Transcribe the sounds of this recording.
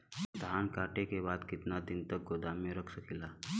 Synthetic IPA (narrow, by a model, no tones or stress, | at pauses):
d̪ʱaːnkaːʈekebaːd̪kɪt̪nad̪ɪnt̪ək̚ɡoːd̪aːmẽɾəkʰsəkʰilaː